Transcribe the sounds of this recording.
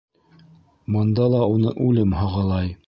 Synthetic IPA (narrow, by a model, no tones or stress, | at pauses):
mɤ̆nd̪ɑlˠɑunɤ̰ʔʉlɘmhɑʁɑlˠɑj